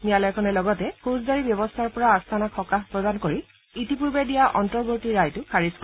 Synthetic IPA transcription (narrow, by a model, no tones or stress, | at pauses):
nijalɔjkʰɔnɛlɔɡɔtɛhozdaɹibjɔbɔstʰaɹpɔɹaːstʰanakʰxɔkaxpɹɔdankoɹi | itipuɹbedijaʔɔntɔɹɡotiɹajtʊkʰaɹiskɔ